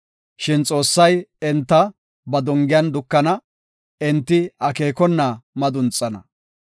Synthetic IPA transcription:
ʃɪnt͡sʼo̞ːsːɐjɛnt̪ːɐ | bɐd̪ɔŋɡɪjɐnd̪ʊkːɐnɐ | ɪnt̪ːɪɐke̞ːkɔnːɐmɐd̪ʊnt͡sʼːɐnɐ

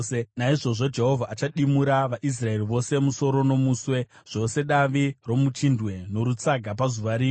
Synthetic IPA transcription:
naiʐo̞ʐo̞d͡ʒe̞ɦo̞vʱaːt͡ʃaɗimuɾaʋaʔis̬rae̞riʋo̞se̞muso̞ɾo̞no̞muːswe̞ʐ̥o̞se̞ɗaʋiro̞mut͡ʃindwe̞no̞ɾut͡saɡʱap̬azuʋaɾiː

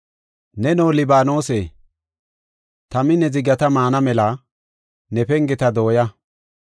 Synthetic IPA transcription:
nɛnoːlɪbaːno̞ːseː | t̪ɐmɪnɛzɪɡɐt̪ɐmaːnɐmɛlɐ | nɛpɛŋɡɪt̪ɐd̪o̞ːjɐ

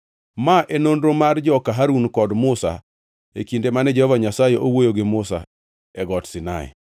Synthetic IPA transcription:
maʔenondɾomard͡ʒɔkaɦaɾunkɔdmʊsa̰ | ḛkindemanɛd͡ʒɛhɔvaɲasajeʔowojoɡɪmʊsa̰ | ɛɡɔtsɪna̰ɛ̰

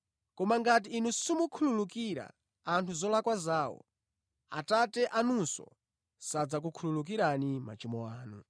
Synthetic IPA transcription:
kɔmaŋɡat̬iːnusumukʰululukiɾa̰ | antʰuzɔlakwazaːwɔ̰ | a̰tatɛʔanunsɔ̰ | sad͡zak̬ukʰululuk̬iɾanima̰t͡ʃimɔaːnu

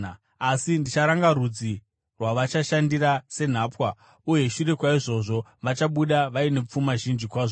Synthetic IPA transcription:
asindit͡ʃaɾaŋɡaɾud͡zi | rwaʋat͡ʃaʃandirase̞n̤aːpwa | uje̞ʃuɾe̞kwaiʐo̞ʐo̞ʋat͡ʃaɓuɗaʋaine̞p͡fumaʒind͡ʒikwaːʐo

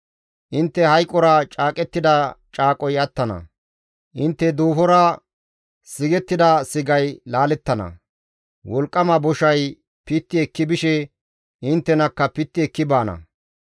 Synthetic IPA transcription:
ʔɪnt̪ːɛhɐjkʼːɔɾɐt͡ʃʼaːkʼɛt̪ːɪd̪ɐt͡ʃʼaːkʼɔjɐt̪ːɐnɐ̰ | ʔɪnt̪ːɛd̪uːfɔɾɐ | sɪɡɛt̪ːɪd̪ɐsɪɡɐjlaːlɛt̪ːɐnɐ̰ | wɔlkʼːɐmɐbɔʃɐj | pɪt̪ːɪɛkːɪbɪʃɛ | ʔɪnt̪ːɛnɐkːɐpɪt̪ːɪɛkːɪbaːnɐ̰

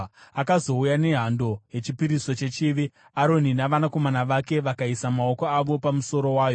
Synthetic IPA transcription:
akazo̞ujane̞ɦando̞ɦe̞t͡ʃipiɾisot͡ʃe̞t͡ʃiʋi | aɾo̞ninaʋanako̞manaʋake̞ʋakaisamao̞ko̞aʋo̞pamuso̞ɾo̞waːjo

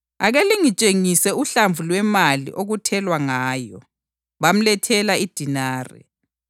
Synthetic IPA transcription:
a̰ɣeliŋit͡ʃʼeŋisɛuɬaɱvʱulwɛmalḭʔoɣutʰɛlwaŋaːjɔ̰ | βam̩lɛtʰɛlaid̥ʱinaːrɛ̰

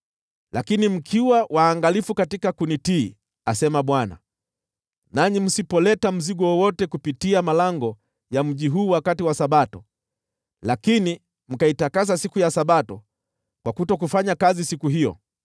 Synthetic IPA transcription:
lʔakinim̩kʰiwawʔaːŋɡalifukatikakunitiː | asɛmaɓwana̰ | naɲim̩sipɔlɛtam̩ziɡɔwɔwɔtɛkupitiamalaŋɡɔ | jam̩ʄiɦuːwakatiwasaɓatɔ | lakini | m̩kaitakasasikujasaɓatɔ | kwakutɔk̬ufaɲakazisikuɦijɔ̰

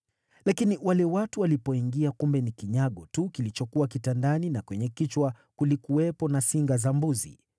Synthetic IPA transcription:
lakiniwalɛwatuwalipɔiŋɡiakumbɛnikiɲaɠɔtukilit͡ʃɔkuwakitandaninakwɛɲɛkit͡ʃwa | kulikuwɛpɔnasiŋɡazambuzḭ

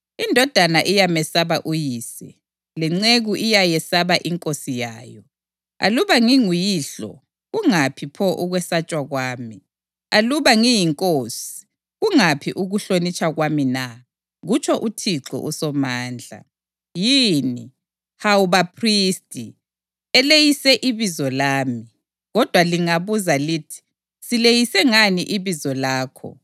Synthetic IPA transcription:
indʱɔd̥ʱanaʔijamɛsaβaʔujiːsɛ | liŋ͡ǀeɣuʔijajɛsaβaʔiŋkʼosijaːjɔ | a̰luβaŋiŋujiːɬɔ̰ | ɣuŋapʰipʰɔʔuɣwɛsat͡ʃʼwaɣwaːmi | aluβaŋijiŋkʼoːsi̥ | ɣuŋapʰiʔuɣuɬonit͡ʃʰʼaɣwamina | ɣut͡ʃʰɔʔutʰiǁɔ̰ʔusɔmaːnd͡ɮʱa̰ | jini | hawuβapʰristʼi | ɛlejisɛʔiβizɔlaːmi | ɣɔd̥ʱwaliŋaβuzaliːtʰi̥ | silejisɛŋaniʔiβizɔlaːkʰɔ̰

